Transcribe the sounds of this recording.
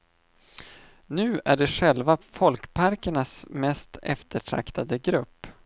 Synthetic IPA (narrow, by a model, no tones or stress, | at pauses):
nʉ̟ːæɖɛɧɛlvafɔlkpʰaɾkəɳasmɛst̪ɛ̰ft̪ʰəʈʰɾa̰kt̪ʰad̪əɡɾɵpː